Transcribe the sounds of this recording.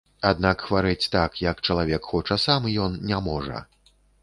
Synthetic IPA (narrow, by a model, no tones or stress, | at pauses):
ad̪nakxvaɾɛt͡sʲt̪akjɐkt͡ʂɐlˠavʲɛkxɔt͡ʂɐsamjɔnnʲamɔʐɐ̰